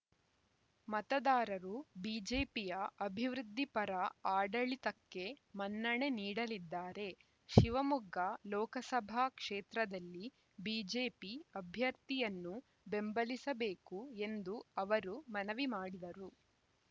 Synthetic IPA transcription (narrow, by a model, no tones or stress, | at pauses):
mɐt̪ɐd̪aːɾɐɾubiːd͡ʒeːpijɐɐbʱiʋɾud̪ʱːipɐɾɐaːɖɐɭit̪ɐkːe̞mɐnːɐɳe̞niːɽɐlid̪ːaːɾe̞ | ʃiʋɐmuɡɐlɔːkɐsɐbʱaːkʂeːt̪ɾɐd̪ɐlːi | biːd͡ʒeːpiɐbʱjɐɾt̪ijɐnːu | be̞mbɐlisɐbeːkue̞nd̪uɐʋɐɾumɐnɐʋimaːɽid̪ɐɾu